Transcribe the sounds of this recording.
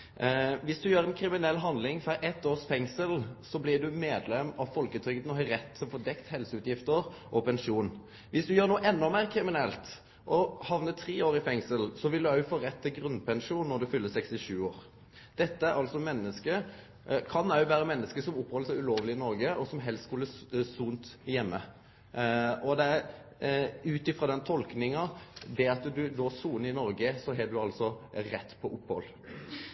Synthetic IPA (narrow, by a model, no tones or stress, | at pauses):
ʋɪsd̪ʉjøːɾɛnkʰɾɪmɪnɛlːɦɑnd̪lɪŋfɑʔɛt̪ːoːsfɛŋsəlsɔblɪd̪ʉmeːd̪lɛmɑʋfɔlkət̪ʰɾʏɡət̪nɔhɑɾɛt̪ːsɔfɔːd̪ɛkt̪hɛlsəʉːt̪jɪft̪əɾʔɔpʰɛnʂuːn | ʋɪsd̪ʉjøːʁnuːəʔɛnːɔmæːʁkʰɾɪmɪnɛlt̪ | ʔɔhɑʋnət̪ʰɾeːoːɾɪfɛŋsəlsɔʋɪld̪ʉæfoːɾɛt̪ʰːɪɡɾʉnpʰɛnʂuːnːɔɾd̪ʉfʏlːəsɛkst̪ɪʃʉːoːɾ | d̪̥ɛt̪ːəæɾʔɑlsɔmɛnːəskə | kʰɑnœʉʋæːɾəmɛnːəskəsɔmʊpːhɔlsɔʉloːʋlɪɪnɔɾɡəɔsɔmɦɛlst̪skʉlːəsuːnt̪jɛmːə | ɔd̪ɛæɾ | ʉːt̪ɪfɾɑd̪ɛnt̪ʰɔlknɪŋɑd̪ɛɑt̪d̪ʉd̪oːsuːnɪnɔɾɡəsɔɦɛd̪ʉɑlsɔɾɛt̪ːpʰɔʔʊpːhɔ̰lː